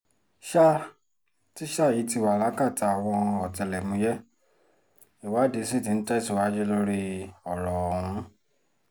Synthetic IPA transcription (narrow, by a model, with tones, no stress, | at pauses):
ʃa˦ | ti˦ʃa˦˨ji˨˦ti˧wa˨la˨˦ka˦˨ta˧a˨w̃ɔ̃˧ɔ˨tɛ˨lɛ˨mũ˧˦jɛ˦ | i˨wa˨˦de˧˦si˦˨tĩ˨˧n̩˦tɛ˦˨su˨wa˦d͡ʒe˦lo˦ɾi˦ɔ˨ɾɔ˨ɾ̃ũ˨˦